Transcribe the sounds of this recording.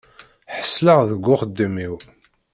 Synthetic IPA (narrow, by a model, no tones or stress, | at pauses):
ħə̥sːləʁðəɡʷːʊχəd̪ːimiw